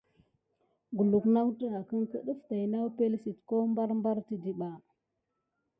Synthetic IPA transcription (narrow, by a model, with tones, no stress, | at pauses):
ɡu˨lu˨kna˦wtə˦ɾa˨kə˦ŋkə˦ɗə˦fta˨jna˦wpe˦lsi˨tko˦mba˦ɾmba˦ɾti˦di˨ɓa˨